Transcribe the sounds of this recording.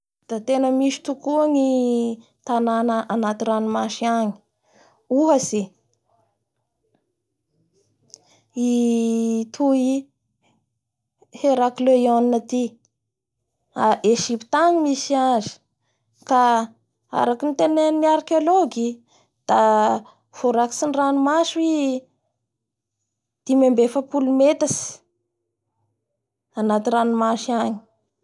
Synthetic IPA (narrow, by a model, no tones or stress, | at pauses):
d̪̥at̪enəmisi̥t̪ukuaŋi | t̪ananəʔanat̪iɾanimaʃiaŋi̥ | uɦasi | i | t̪ʰui | heɾaklejoninat̪i | aʔeʒipi̥t̪aɲimisianzi̥ | ka | a̰ɾakinit̪enenniaɾkeoloɡi | d̪̥a | v̥oɾaki̥sinranumaʃwi | d̪̥imembefəpulumet̪asi̥ | anat̪iranumaʃiaɲi̥